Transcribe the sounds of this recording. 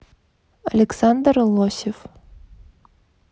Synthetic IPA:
ɐlʲɛksand̪rlˠɔsʲɪf

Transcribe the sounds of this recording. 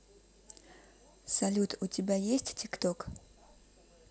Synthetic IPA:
sɐlʲut̪ʰutʲibʲajesʲtʲtʲikt̪ok

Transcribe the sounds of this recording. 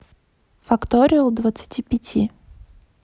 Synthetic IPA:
fɐkt̪oɾʲɪjʊd̪vət̪sɨ̥tʲipʲɪtʲʰi

